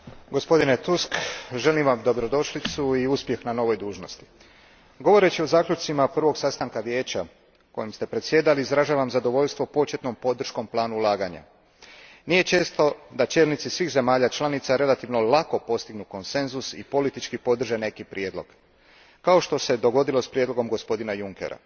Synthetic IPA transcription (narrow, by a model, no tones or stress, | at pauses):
ɡo̞spo̞d̪inet̪uskʒe̞limʋamd̪o̞bɾo̞d̪o̞ʃlit̪suiuspje̞xnano̞ʋo̞jd̪uːʒno̞st̪i̥ | ɡo̞ʋo̞ɾe̞t͡ɕio̞zaːklʎut͡ʃt̪simaprʋo̞ɡsast̪aŋkaʋje̞ːt͡ɕa | ko̞jimst̪e̞pɾe̞t̪sje̞ːd̪aliːzɾaʒaːʋamzad̪o̞ʋo̞ʎst̪ʋo̞po̞t͡ʃet̪no̞mpo̞d̪r̩ʃko̞mplˠaːnuulˠaːɡaɲa̰ | nije̞t͡ʃe̞ːst̪o̞d̪at͡ʃe̞ːlnit̪sisʋiːxze̞maːʎat͡ʃlˠanit̪saɾe̞lat̪iʋno̞lako̞po̞st̪iɡnuko̞nse̞nzusḭpo̞lit̪it͡ʃkipo̞d̪r̩ʒe̞ne̞kipɾje̞ːd̪lo̞ɡ̥ | kao̞ʃt̪o̞se̞d̪o̞ɡo̞d̪ilo̞spɾjed̪lo̞ɡo̞mɡo̞spo̞d̪inajuŋke̞̰ɾa̰